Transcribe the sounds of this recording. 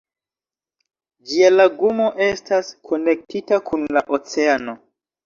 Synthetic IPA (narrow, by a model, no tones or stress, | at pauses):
d͡ʒialaɡumo̞ʔe̞staskʰo̞ne̞k̚titakʰunlaʔot͡se̞ano̞